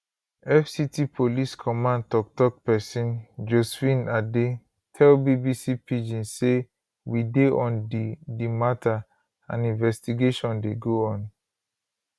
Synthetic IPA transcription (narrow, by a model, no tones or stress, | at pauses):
ɛfsitipʰoliskʰɔmãnd̚tɔk̚tɔk̚pɛsĩnd͡ʒosfĩnade | tʰɛlbibisipid͡ʒĩnse | wideʔɔ̃ndimatʰa | ã̰nĩnvɛstiɡeʃɔ̃ndeɡoɔ̃n